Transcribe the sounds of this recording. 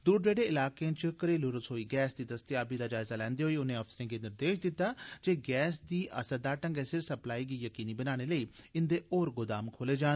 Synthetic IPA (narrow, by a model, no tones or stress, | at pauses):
d̪uːɖɾeːɖeːɪlaːkeãːt͡ʃkəɾeːlʊɾəsɦoːiːɡɛːsd̪iːd̪əst̪ɪaːbiːd̪aːd͡ʒaːɪzaːlɛ̃ːnd̪eːɦoːiːʊnẽːəfsɾẽːŋɡiːnɪɾd̪eːʃd̪ɪt̪ːaːd͡ʒeːɡɛːsd̪iːʔə̰səɾd̪aːɾʈə̃ŋɡesɪɾsəplaːiːɡiːjəkiːniːbənaːɽ̃eːləiːɪnd̪eːʔoːɾɡʊd̪aːmkʰoːleːd͡ʒaːn